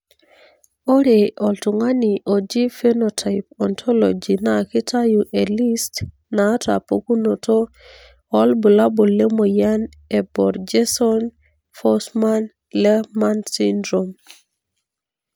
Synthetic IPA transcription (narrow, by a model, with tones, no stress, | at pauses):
o˦ɾeʔɔ˨ltu˨ŋa˦niʔo˨d͡ʒi˦fe˦notʰa˨jpɔntʰɔ˦lo̰d͡ʒi˨naki˦tʰa˦juʔeli˦st | naː˦ta̰˨poku˦no˨to˦ | ɔlbu˨la˦bo˨le˦mo˨ja˦n | ebɔɾd͡ʒesɔn | fɔsman | lɛmansindɾom